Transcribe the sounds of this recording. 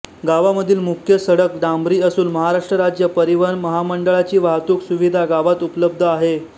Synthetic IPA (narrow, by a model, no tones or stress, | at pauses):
ɡaʋaməd̪ʱiːlmukʰjəsəɽəkɖ̪ãmbɾiːəsuːnməɦaɾaʂʈɾəɾad͡ʑjəpəɾiʋənməɦaməɳɖəɭat͡ɕiːʋaɦt̪uːksuʋid̪ʱaɡaʋat̪upləb̚d̪ʱəaɦe